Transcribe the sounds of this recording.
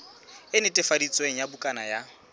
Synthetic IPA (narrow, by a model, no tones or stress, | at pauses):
ɪnɪtʼɪfadit͡sʼweŋ̩jabʊkʼanaja